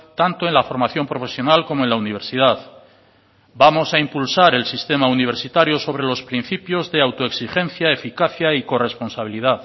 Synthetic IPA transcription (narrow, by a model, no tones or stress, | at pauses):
t̪ant̪oe̞nlafo̞ɾmaθjo̞mpɾo̞fe̞sjo̞nalko̞moe̞nlauniβ̞e̞ɾsiðað | bamo̞saimpulsaɾe̞lsist̪e̞mauniβ̞e̞ɾsit̪aɾjoso̞β̞ɾe̞lo̞spɾin̟θipjo̞zðe̞awt̪oeksixẽ̞n̟θjae̞fikaθjaiko̞re̞spo̞nsaβiliðaθ